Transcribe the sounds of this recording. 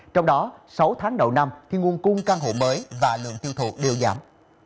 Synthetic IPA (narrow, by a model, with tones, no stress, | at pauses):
t͡ɕɔ˧wŋ͡mɗɔ˨˦sa˨˦wt̪ʰaː˨˦ŋɗə̰˨˩wna˧mt̪ʰi˨˩ŋu˨˩ənkʊ˧ŋ͡mkaː˧ŋɦo̰˧˨məː˨˦jvaː˨˩lɨ̰˧˨əŋt̪i˧əwt̪ʰṵ˧˩˨ɗɨ˧əwzaː˨˦m